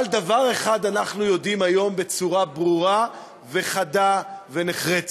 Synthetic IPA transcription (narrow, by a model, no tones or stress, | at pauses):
ald̪avaʁe̞χad̪anaχnujo̞dimajo̞mbe̞t͡suʁabʁuʁa | ve̞χadave̞neχʁet͡s